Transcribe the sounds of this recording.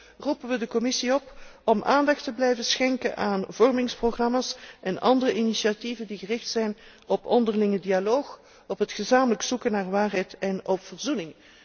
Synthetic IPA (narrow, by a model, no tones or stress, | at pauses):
rupənʋədəkɔmɪsiɔpɔmʔaːndɑxtəblɛjvəsxɛŋkə̰nʔaːnvɔrmɪŋsproɣrɑmasʔɛnɑndərəʔinisiativəndiɣərɪxtsɛjn | ɔpʰɔndərlɪŋədialoːx | ɔpɦətχəzaːmələksukənaːrʋaːrɦɛjtɛnɔpfərzunɪŋ